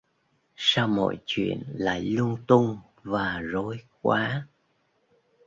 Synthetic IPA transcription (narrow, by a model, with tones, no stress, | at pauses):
saː˧wmɔ̰˧˨jt͡ɕwḭ˧˨ənla̰ː˧˨jlʊ˧ŋt̪ʊ˧ŋ | vaː˨˩zo˨˦jk̚waː˨˦